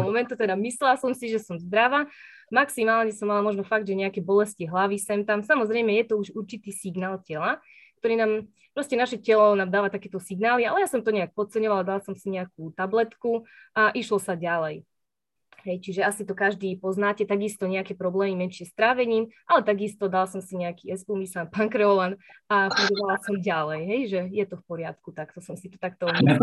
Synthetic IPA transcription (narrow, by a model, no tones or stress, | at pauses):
mɔmɛnt̪ut̪ɛd̪amislɛlasɔmsiʒɛsɔmzd̪ɾaʋa | maksimaːlɲɛsɔmːalamɔʒnɔfaɡ̚d̪ʒɛɲɛakɛbɔlɛsciɦlaʋisɛmt̪amsamɔzɾɛjmɛjɛt̪ɔuʒuɾt͡ʃit̪iːsiɡnaːlˠcɛla | k̚t̪ɔɾiːnaːm | pɾɔscɛnaʃɛcɛlɔnaːmd̪aːʋat̪akɛːt̪ɔsiɡnaːlialɛjasɔmt̪ɔɲɛak̚pɔt͡sɛɲɔʋalad̪alasɔmsiɲɛak̚ut̪ablɛt̪kuʔaʔiʃlɔsaɟalɛj | ɦɛjt͡ʃiʒɛasit̪ɔkaʒd̪iːpɔznaːcɛt̪aɡist̪ɔɲɛakɛpɾɔblɛːmimɛnʃɪɛst̪ɾaːʋɛɲiːmʔalɛt̪aɡist̪ɔd̪alsɔmsiɲɛakiɛspuːmisanpaŋkɾɛɔlanafuɡɔʋalasɔmɟalɛjɦɛjʒɛjɛt̪ɔfpɔɾɪat̪kut̪akt̪ɔsɔmsit̪ɔ̥t̪akt̪ɔ